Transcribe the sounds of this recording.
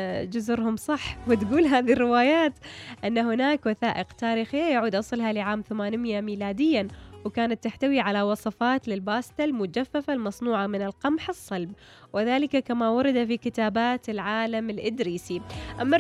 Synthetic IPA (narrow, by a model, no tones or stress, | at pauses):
d͡ʒʊzʊɾhʊmsˤɑħːwɪt̪ɡuːlɦaːðirːɪwaːjaːt̪ʔɪnːahʊnaːkwaθaːʔɪqt̪aːɾixijaʕuːd̪ʔɑsˤɨlɦalɪʕaːmθamaːnmɪjamiːlaːd̪ɪjːanwkaːnat̪ːaħt̪awiʕalawɑsˤɑfɑːt̪lɪlbaːst̪almʊd͡ʒafːafalmɑsˤnuːʕamɪnɪlqɑmħɨsˤːɑlb̚ | wɪðaːlɪkakamawɑɾˤɑd̪afikɪt̪aːbaːt̪ɪlʕaːlamɪlʔɪd̪ɾiːsiʔamːa